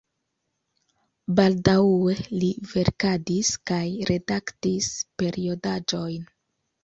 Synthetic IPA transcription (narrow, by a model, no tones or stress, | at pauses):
baldawe̞live̞ɾkadiskajɾe̞daktispe̞ɾio̞dad͡ʒo̞jn